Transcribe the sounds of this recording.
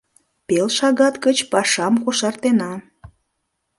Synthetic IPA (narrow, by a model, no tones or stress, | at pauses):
pelʃɑɣɑt̪kət͡ɕpɑʃɑmkoʃɑrt̪enɑ